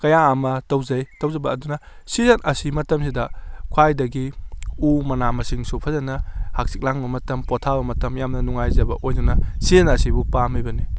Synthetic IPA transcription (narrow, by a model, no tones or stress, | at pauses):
kɐjaɐmɐtɐwzɐjtɐwzɐbɐːdunɐ | sizɐnʔɐsimɐtɐmsidɐkʰwajdɐɡiumɐnamɐsiŋsupʰɐzɐnɐhak̚sik̚laŋbɐmɐtɐmpotʰabɐmɐtɐmjamnɐnuŋajzɐbɐ̰ʔojdunɐsizɐnɐsibupamibɐni